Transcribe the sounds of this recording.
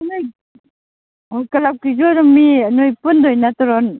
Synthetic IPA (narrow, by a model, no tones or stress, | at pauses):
anoj | ojkalaw̚kizɔɾumːinojpundojnatɔɾɔn